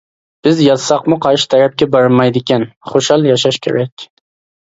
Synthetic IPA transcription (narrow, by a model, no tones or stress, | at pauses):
b̥ɪzjɑsɑqmʊqʰɑɾʃɪ̥t̪ʰæɾæp̚kʲɛbɑɾmɑjd̪ɪkʲʰɛnχoʃhɑlˠjɑʃ̬ɑʃkʲʰḛɾɛkʲ